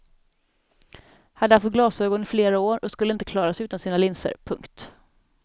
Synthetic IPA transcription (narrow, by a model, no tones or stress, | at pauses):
had̪ːəaft̪ɡlɑːsøːɡɔnɪfleːɾaoːɾɔskɵlːəɪnt̪əkʰlɑːɾasʉ̟ːt̪ansiːnalɪnsə̰ɾpʰɵŋkt̪